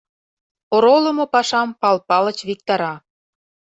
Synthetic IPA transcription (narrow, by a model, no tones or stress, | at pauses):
oɾolə̆mopɑʃɑmpɑlpɑlət͡ɕβik̚t̪ɑɾɑ